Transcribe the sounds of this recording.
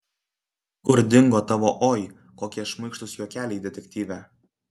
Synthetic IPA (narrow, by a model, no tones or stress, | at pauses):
ʊɾʲd̪ʲɪŋɡoːt̪ɑʋoːʔoːj | koːkʲiɛʃmɐɪkʃt̪ʊsjoːkʲæːlʲɛɪd̪ʲɛt̪ʲɛk̚ʲt̪ʲiːʋʲæ